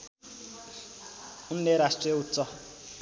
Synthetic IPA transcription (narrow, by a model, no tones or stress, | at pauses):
un̩ːeɾastreut͡sɔ